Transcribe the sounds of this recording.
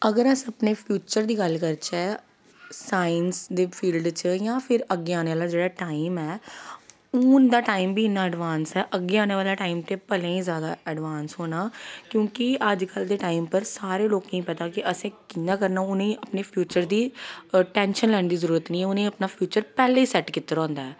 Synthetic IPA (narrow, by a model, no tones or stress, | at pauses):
əɡəɾəsəpneːpʰjuːt͡ʃəɾd̪iːɡəlkəɾt͡ʃɛː | saːənsd̪eːpʰiːlɖt͡ʃjãːpʰɪɾəɡːeːaːneʋaːlaːd͡ʒeːɽaːʈaːɪmɛː | uːnd̪aːʈaːimbʱiːɪnːãːɛɖʋaːnsɛːʔəɡːeːaːneːʋaːlaːʈaːimt̪eːpəlẽːĩːzjaːd̪aːɛɖʋaːnsɦoːnaːkjõːkiəd͡ʒkəld̪eːʈaːimpəɾsaːɾeːloːknə̃ĩːpət̪aːkɪʔəsẽːkɪnːãːkəɾnaːʊnẽːəpneːpʰjuːt͡ʃəɾd̪iːʈɛ̃ːnʃənlɛːñd̪iːzəɾuːɾət̪nĩːɛːʊnẽːəpnaːpʰjuːt͡ʃəɾpɛːleːiːsɛʈkɪt̪ːəɾɔ̃ːnd̪aɛː